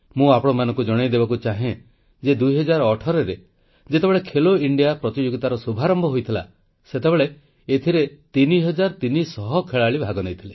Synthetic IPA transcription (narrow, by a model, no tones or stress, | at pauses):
mũapɔɽ̃ɔmanɔ̃ŋkud͡ʒɔɽ̃ejd̪ebakut͡ʃaɦẽ | d͡ʒed̪ujɦɔd͡ʒaɾɔɔʈʰɔɾeɾe | d͡ʒet̪ebeɭekʰeloiɳɖijapɾɔt̪id͡ʒoɡit̪aɾɔsubʱaɾɔmbʱɔɦojt̪ʰila̰ | set̪ebeɭe | et̪ʰiɾet̪iniɦɔd͡ʒaɾt̪inisɔɦɔkʰeɭaɭibʱaɡɔnejt̪ʰile